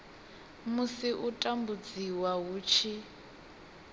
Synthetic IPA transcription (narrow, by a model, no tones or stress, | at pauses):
musiʔutʼambud͡ziwaɦuːt͡ʃʰi